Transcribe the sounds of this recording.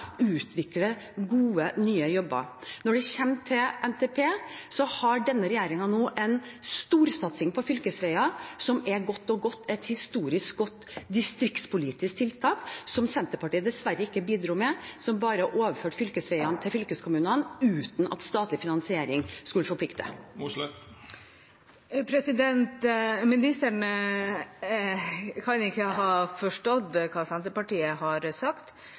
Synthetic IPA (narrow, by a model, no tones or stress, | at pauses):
ʉːt̪ʰʋɪklə | ɡuːənyːəjɔbːə̰ɾnɔɖɛçɛmt̪ʰɪlʔɛnt̪ʰɛːpʰeːsɔhɑɖɛnːəɾɛjeːɾɪŋɑnoːʔɛnst̪uːɾsɑt̪sɪŋpʰɔfʏlkəsʋɛɪɑsɔmɛɡɔt̪ːɔɡɔt̪ːɛt̪hɪst̪uːɾɪsk̚ɡɔt̪ːd̪ɪst̪ɾɪkt̪spʊliːt̪ɪsk̚t̪ʰɪlt̪ʰɑːksɔmsɛnt̪əɾpɑʈiːəd̪ɛsʋæɾːəɪkːəbiːd̪ɾuːmɛsɔmbɑːɾəʔoːʋəføːʈfʏlkəsʋɛɪɑnt̪ʰɪlfʏlkəskʰʊmʉːnənʉːt̪n̩ɑ̰t̪st̪ɑːt̪lɪfɪnɑnsɪeːɾɪŋskʉlːəfɔɾpʰlɪkt̪ə̰ | pʰɾɛsɪd̪ɛnt̪mɪnɪst̪əɳə | kʰɑnɪkːəɦɑːfɔʂʈɔd̪kʰɑːsɛnt̪əɾpɑʈiːəhɑɾsɑkt̪